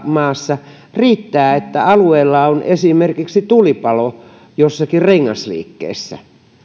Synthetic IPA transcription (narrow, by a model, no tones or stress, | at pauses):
mɑːsːɑ | riːt̪ːæːet̪ːæɑlueːlːɑonʔesimerkiksit̪ulipɑlo | josːɑkirreŋːɑslḭːkːḛːsːæ̰